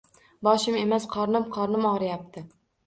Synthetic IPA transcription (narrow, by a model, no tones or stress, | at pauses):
bɒʃɪme̞masqʰɒɾnɪmqʰɒɾnɪmɒɾɪjap̚t̪ʰɪ